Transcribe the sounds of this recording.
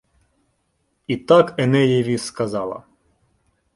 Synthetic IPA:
it̪akɛnɛjɛʋʲiskɐzɑlˠɐ̰

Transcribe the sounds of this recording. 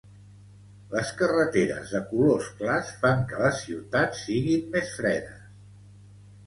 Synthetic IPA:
ləskərət̪eɾə̰zðəkulosklasfaŋkələsiwt̪at̪siɣimːesfɾɛðəs

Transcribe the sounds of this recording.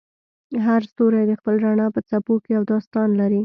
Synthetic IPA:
ɦaɾst̪oɾajd̪əxpəlɾaɳɑpət͡sapokejawd̪ost̪ɑnlaɾi

